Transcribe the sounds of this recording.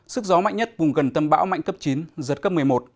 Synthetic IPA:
sɨ˦˥k̚zɔ˨˦ma̰˧˨jŋɲə˦˥t̚vʊ˨˩ŋ͡mɣə˨˩nt̪ə˧mɓa̰ː˧˥wŋ͡mma̰˧˨jŋkə˦˥p̚t͡ɕi˨˦nzə˨˩t̚kə˦˥p̚mɨ˨˩əjmo˨˩t̚

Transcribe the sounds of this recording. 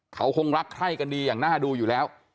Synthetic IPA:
kʰa˦˥wkʰo˧ŋɾa˦˥kʰɾa˥˩jka˧ndiː˧jaː˨˩ŋnaː˥˩duː˧juː˨˩lɛː˦˥w

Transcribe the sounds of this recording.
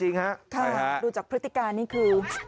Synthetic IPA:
t͡ɕi˧ŋha˦˥ʔk̪ʰa˥˩duː˧t͡ɕaː˨˩k̚pʰɾɯ˦˥t̪ʰːi˨˩kaː˧nːiː˥˩kʰɯː˧

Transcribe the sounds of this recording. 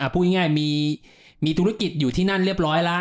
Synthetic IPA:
ʔa˧˩pʰuː˥˩i˥˩ŋaː˥˩jmiː˧ | miː˧t̪ʰu˦˥ɾa˦˥ki˨˩t̪̚juː˨˩iː˥˩na˥˩nɾi˥˩əp̚ɾɔː˦˥jla˦˥

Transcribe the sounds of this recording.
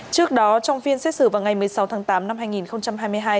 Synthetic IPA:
t͡ɕɨ˦˥ək̚ɗɔ˨˦t͡ɕɔ˧wŋ͡mfi˧ənsɛ˦˥t̚sɨ̰˧˩vaː˨˩wŋa˨˩jmɨ˨˩əjsa˨˦wt̪ʰaː˨˦ŋt̪aː˨˦mna˧mɦaː˧jŋi˨˩nxə˧wŋ͡mt͡ɕa˧mɦaː˧jm˧əjɦaː˧j

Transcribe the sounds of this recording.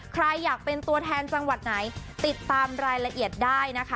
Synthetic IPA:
kʰɾa˧jːaː˨˩k̚pe˧nt̪u˧ɐt̪ʰɛː˧nt͡ɕa˧ŋwa˨˩t̪̚na˩˦jt̪i˨˩t̪ːaː˧mɾaː˧jɾa˧ʔi˨˩ət̪̚daː˥˩jna˦˥kʰa˦˥

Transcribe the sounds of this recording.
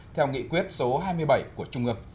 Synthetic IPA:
t̪ʰɛ˧wŋḭ˧˨kwi˦˥ət̚so˨˦ɦaː˧jmɨ˧əjɓa˧˩jku˧˩ət͡ɕʊ˧ŋ͡mʔɨ˧m

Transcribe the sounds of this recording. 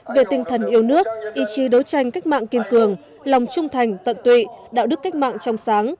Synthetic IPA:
ve˨˩t̪ï˧ŋ̟t̪ʰə˨˩nʔi˧əwnɨ˦˥ək̚ʔi˧t͡ɕi˨˦ɗə˨˦wt͡ɕa˧jŋ̟ka˦˥k̚ma̰ː˧˨ŋki˧ənkɨ˨˩əŋ | lɔ˨˩wŋ͡mt͡ɕʊ˧ŋ͡mt̪ʰa˨˩jŋ̟t̪ə̰˧˨nt̪wḭ˧˨ɗa̰ː˧˥ɗɨ˦˥əkːa˦˥jk̟̚ma̰ː˧˨ŋt͡ɕɔ˧wŋ͡msaː˨˦ŋ

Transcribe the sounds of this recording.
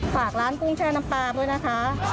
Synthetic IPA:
faː˨˩k̚ɾaː˦˥nku˧˥˩ŋt͡ɕʰaː˧˩na˧mpaː˧bɯ˧˥˨jna˦˥kʰa˦˥

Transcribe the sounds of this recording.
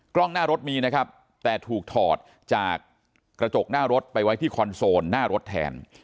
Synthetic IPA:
klɔ˥˩ŋnaː˥˩ɾo˦˥t̪̚miː˧na˦˥kʰa˦˥p̚ | t̪ɛː˨˩t̪ʰuː˨˩k̚t̪ʰɔː˨˩t̪̚ | t͡ɕaː˨˩kː | ɾa˧t͡ɕo˨˩k̚naː˥˩ɾo˦˥t̪̚pa˧jwa˦˥jt̪ʰiː˥˩kʰɔ˧nsoː˧nːaː˥˩ɾo˦˥t̪ʰːɛ̰ː˧n

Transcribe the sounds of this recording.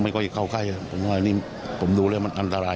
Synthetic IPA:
ma˧nkɔː˥˩t͡ɕa˨˩kʰa˧˩wkʰa˥˩ja˧˩pʰo˨˦mwaː˧niː˧˥˩ | pʰo˨˩˦mduː˧laː˧˥˩ma˧nʔa˧nt̪ʰa˧aː˧

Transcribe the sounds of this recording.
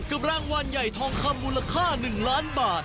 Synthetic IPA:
ka˨˩p̚ɾaː˧ŋwa˧nja˨˩jt̪ʰɔː˧ŋkʰa˧mːuː˧la˧kʰaː˥˩nɯ˨˩ŋlaː˦˥nbaː˨˩t̪̚

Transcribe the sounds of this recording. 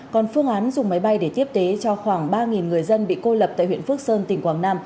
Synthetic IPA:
kɔ˨˩nfɨ˧əŋʔaː˨˦nzʊ˨˩ŋ͡mma˨˦jɓa˧jɗe˧˩t̪i˦˥əp̚ke˨˦t͡ɕɔ˧xwaː˧˩ŋɓaː˧ŋi˨˩nŋɨ˨˩əjzə˧nɓḭ˧˨ko˧lə˨˩p̚t̪a̰ː˧˨jhw̰ḭ˧˨ənfɨ˦˥ək̚səː˧nt̪ï˨˩ŋ̟kwaː˧˩ŋnaː˧m

